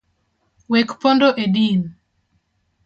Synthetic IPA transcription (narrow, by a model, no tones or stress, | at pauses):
wekpondoʔedin